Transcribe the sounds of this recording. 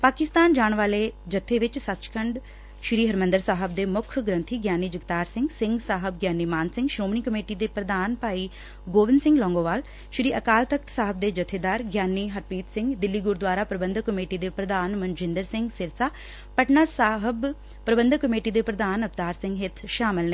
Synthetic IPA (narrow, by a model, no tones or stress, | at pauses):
paːkɪst̪aːnd͡ʒaːɳ̃ʋaːleːd͡ʒət̪ʰːeʋɪt͡ʃsət̪ːt͡ʃkʰə̃ɳɖ | ʃɾiːɦəɾmə̃nd̪əɾsaːɦəb̚d̪eːmʊkʰɡɾə̃nt̪ʰiːɡjaːnːiːd͡ʒɪɡt̪aːɾsɪ̃ŋɡsɪ̃ŋɡsaːɦəbɡjaːnːiːmaːnsɪ̃ŋɡʃɾoːmniːkəmeːʈid̪eːpɾəd̪aːnpaːiː | ɡoːʋɪnsɪ̃ŋɡlɔ̃ːŋɡoːʋaːl | ʃɾiːʔəkaːlt̪ək̚t̪saːɦəb̚d̪eːd͡ʒət̪ʰːeːd̪aːɾɡjaːnːiɦəɾpiːt̪sɪ̃ŋɡd̪ɪlːiːɡʊɾd̪ʋaːɾaːpɾəbə̃nd̪ʱkəmeːʈid̪eːpɾəd̪aːnmə̃nd͡ʒɪ̃nd̪əɾsɪ̃ŋɡsɪɾsaː | pəʈnaːsaːɦəb | pɾəbə̃nd̪ʱkəmeːʈid̪eːpɾəd̪aːnəft̪aːɾsɪ̃ŋɡɦɪt̪ʰʃaːmɪlneː